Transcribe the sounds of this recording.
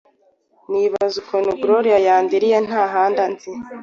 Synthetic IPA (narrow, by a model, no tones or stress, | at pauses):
niβazukʰonuɡuɾoɾijajaːndiɾijen̥haːɦaːndanzi